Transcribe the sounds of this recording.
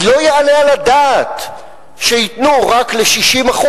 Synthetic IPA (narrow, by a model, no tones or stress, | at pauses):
lo̞jealealadaːt | ʃeitnuʁakle̞ʃiʃimaχu